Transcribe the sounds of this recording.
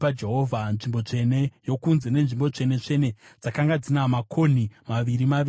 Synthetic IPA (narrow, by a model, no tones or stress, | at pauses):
pad͡ʒeɦo̞vʱanʐimbo̞t͡ʂe̞ne̞jo̞kunze̞ne̞nʐimbo̞t͡ʂe̞ne̞t͡ʂe̞ne̞d͡zakaŋɡad͡zinamakʰo̞n̤imaʋiɾimai